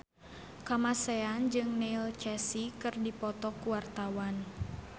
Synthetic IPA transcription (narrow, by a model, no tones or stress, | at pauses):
kamasɛand͡ʒɨŋnelt͡ʃɛsikɨrdipɔt̪ɔkuwart̪awan